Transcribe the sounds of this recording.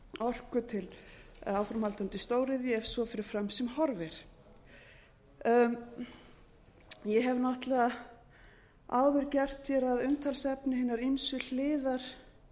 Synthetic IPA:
ɔr̥kʏt̪ʰɪlawfɾamhalt̪ant̪ʏst̪oːwɾɪðjɛfsvɔfɪɾɪɾ̥fɾamsɛmhɔɾvɛɾ̥ | jɛɦɛvnaht̪la | a̰ːwðʏɾcɛr̥t̪jɛɾaðʏnt̪ʰalsɛpnɪhɪnːaɾinsʏl̥ɪːðaɾ̥

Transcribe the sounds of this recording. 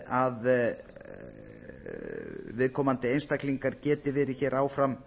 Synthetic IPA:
að | vɪðkʰɔːmant̪ɪejnst̪akliŋkaɾcɛːt̪ɪvɛːɾɪçɛːɾʔaːwfɾam

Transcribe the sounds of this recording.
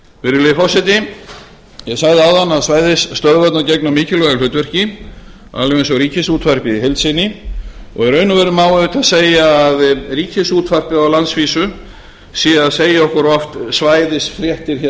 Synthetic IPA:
vɪɾɪlɪfɔsɛt̪̬ɪ | jɛsaɣðɪaːwðanːaðsvaːjðɪsːt̪œɾðvat̪nacɛknamiːcɪlɔalfʏːt̪vɛr̥cɪ | a̰lvɛɛnsɔɾiːcɪsuːt̪far̥pɪiɦejlt̪sɪnːɪɔ̰ɣɛɾœːɥnʏvɛɾʏmaːwaðʏt̪ʰaðseːjaːðriːcɪsuːt̪far̥pɪawlant̪sviːsʏ | siːaðseːjaɔhkʏɾɔft̪svaːjðɪsfɾjɛht̪ɪɾ̥çɛ

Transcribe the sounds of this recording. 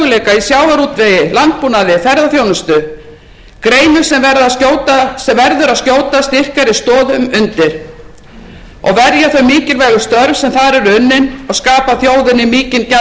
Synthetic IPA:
ʏleːjkaisjawvaɾuːt̪vɛːjɪlant̪̚punaðɪfɛɾðaθjownʏst̪ʏ | kɾeːjnʏsɛmvɛɾðascoːwt̪asɛmvɛɾðʏɾaðscoːwt̪ast̪ir̥kaɾɪst̪ɔːðʏmʏnt̪ɪɾ̥ | ɔ̰ɣvɛɾjaθœɥmiːcɪlvɛːjɣʏ̥st̪œɾvsɛmθaɾɛɾʏʏnːɪnɔɣskaːpaθjoːwðɪnːɪmiːcɪnca

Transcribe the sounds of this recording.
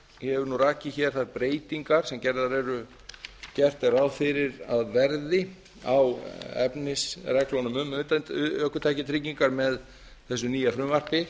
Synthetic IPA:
jɛɛvʏɾnuraːcɪçɛ̥θaɾpɾeːjt̪iŋkaɾ̥sɛmcɛɾðaɾɛɾʏ | cɛr̥t̪ɛɾaðfɪɾɪɾaðvɛɾðɪ | a̰wɛ̰pnɪsrɛklɔnʏmʏmt̪œhkʏt̪ʰaːjcɪt̪ʰɾɪciŋkaɾmɛð | θɛs̬ːʏniːjafɾʏːmvar̥pɪ

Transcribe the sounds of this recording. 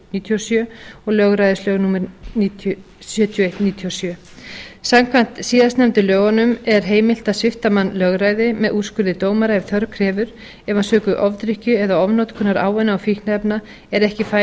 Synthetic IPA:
niːt̪ʰiɔsjœːɔɣlœɣɾajðɪslœɣnuːmɛɾnit̪ | sjœt̪ʰjejht̪niːt̪ʰiɔsjœː | samkʰvan̥t̪siːðasnɛmt̪ʏlœːɣanʏmɛɾ̥ɦeːjmɪl̥t̪asɪft̪amanːlœɣɾaːjðɪmɛðuskʏɾðɪt̪oːwmaɾaɛvθœɾkʰɾɛːvʏɾ̥ | ɛvansœːkʏʔɔvt̪ɾɪhcʏɛðaɔvnɔwt̪kʰʏnːaɾa̰ːwvɛnːaɔwfihknaɛpna | ɛɾɛhcɪfa

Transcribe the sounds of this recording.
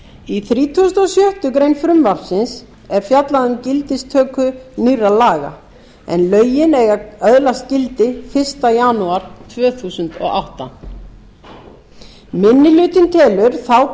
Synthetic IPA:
iθɾiːt̪ʰusʏnt̪ɔsjœht̪ʏkɾejnfɾʏmvaɾ̥sɪns | ɛɾ̥fjat̪laðʏmcɪlt̪ɪst̪ʰœːkʏnirːalaːɣa̰ | ɛ̰nlœːɥjɪnɛɣaœðlascɪlt̪ɪfɪr̥st̪ajanuaɾ̥t̪ʰvœːθuːsʏnt̪ɔ̰ɣa̰wht̪a̰n | mɪnːɪlʏːt̪ɪnt̪ʰɛːlʏɾ̥θaw

